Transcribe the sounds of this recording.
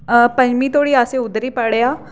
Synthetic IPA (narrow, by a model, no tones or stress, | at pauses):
pə̃ɲd͡ʒmiːt̪oːɽiːaːseːʊd̪əɾiːpəɽeːaː